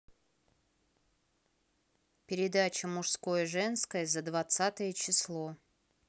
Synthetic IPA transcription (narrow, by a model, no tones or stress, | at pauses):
pʲɪɾʲɪd̪at͡ɕəmʊʂskojəʐɛnskəjəzəd̪vɐt̪sat̪əjət͡ɕɪslˠo